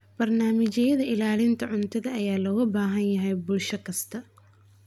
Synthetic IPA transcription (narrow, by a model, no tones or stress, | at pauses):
b̥ɐrnaːmɪt͡ʃɐjɐðɐɪlaːlɪnt̪ʰɐʕʊnt̪ʰɐðɐɐjaːlɔɣɐbaːɦɐnjɐɦɛjbʊlʃɐkʰɐst̪ʰɐ